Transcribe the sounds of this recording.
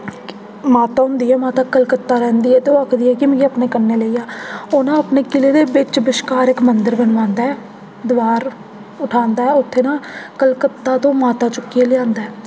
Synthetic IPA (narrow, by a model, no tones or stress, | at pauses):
maːt̪aːɦʊnd̪iːɛːmãːt̪aːkəlkət̪ːaːɾɛ̃ːnd̪iːɦɛːt̪eoːəkʰd̪iːɛːkɪmẽːɡeəpneːkənːeːləiːaːoːnãːəpneːkɪleːd̪eːbɪt͡ʃbɪʃkaːɾɪkmənd̪əɾbənʋãːnd̪aːɛː | d̪ɪʋaːɾ | ʊʈʰaːnd̪aːɛːʊt̪ʰːeːnãːkəlkət̪ːaːt̪õːmaːt̪aːt͡ʃʊkːieːlɪjãːnd̪aːɛː